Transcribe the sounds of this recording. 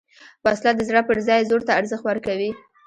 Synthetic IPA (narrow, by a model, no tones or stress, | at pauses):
b̥ɑslad̪əzɽapəɾzɑjzoɾt̪aːɾzəxt̪waɾkawi